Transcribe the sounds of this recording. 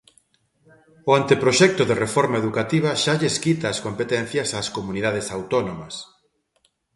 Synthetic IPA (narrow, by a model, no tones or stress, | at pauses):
ʊant̪epɾoʃɛk̚t̪ʊðerefɔɾmaeðukat̪iβ̞ɐʃaʎeskit̪aːskompet̪ɛn̟θjɐsaskomuniðað̞esawt̪ɔnomɐs